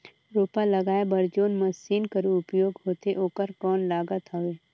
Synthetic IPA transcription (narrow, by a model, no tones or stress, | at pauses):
ɾoːpalɐɡaːebɐɾd͡ʒoːnmɐsiːnkəɾuʊpjoːɡɦoːt̪eʔoːkəɾkɔːnlaːɡət̪ɦoeː